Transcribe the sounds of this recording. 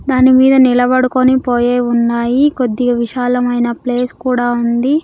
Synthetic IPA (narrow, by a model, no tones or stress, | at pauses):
d̪aːnimiːd̪ɐnilɐbɐɽukonipoːjeːunːaːjikod̪ːiɡɐʋiʃaːlɐmɐjnɐple̞ːskuːɽaːund̪i